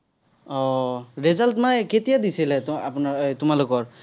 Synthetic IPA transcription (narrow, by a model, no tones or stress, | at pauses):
ɔɹezaltmanketijadisilɛapnatʊmalokɔɹ